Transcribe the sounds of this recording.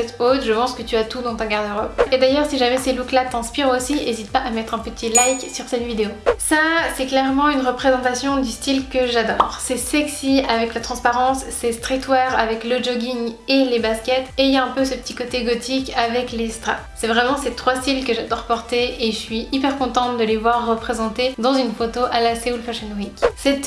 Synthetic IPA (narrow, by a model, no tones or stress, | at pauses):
ɛt̪ot̪ʒəpɑ̃skət̪yat̪ud̪ɑ̃t̪ɔ̃ɡaʁd̪əʁɔped̪ajœʁsiʒamɛseluklat̪ɛ̃spiʁosiezit̪paʔamɛt̪χɛ̃pət̪ʰilajksyʁsɛt̪vid̪eosasɛklɛʁmɑ̃ynʁəpχezɑ̃t̪asjɔ̃d̪yst̪ilkəʒad̪ɔːʁsɛsɛksiavɛklat̪χɑ̃spaʁɑ̃sːest̪χit̪wɛʁavɛkləd͡ʒɔɡʲiŋelebaskʲɛt̪eiljaɛ̃pøsəpə̥t̪ʰi̥kɔt̪eɡɔt̪ʰikavɛklest̪χa̰ | sɛvʁɛmɑ̃set̪χwast̪ilkəʒad̪ɔʁpɔʁt̪eeʒəsɥiʔipɛʁkɔ̃t̪ɑ̃t̪̚d̪əlevwaʁːəpχezɑ̃t̪ed̪ɑ̃zynfot̪oʔalaseulpɔʃɛnwiksɛt̪